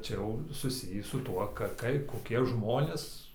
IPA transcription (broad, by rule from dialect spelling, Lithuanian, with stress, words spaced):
ˈt͡ʃʲɛ jɛʊ sʊˈsʲɪjiː sʊ ˈtuɔ ˈkɐ ˈkɐɪ koːˈkʲiɛ ˈʒmoːnʲeːs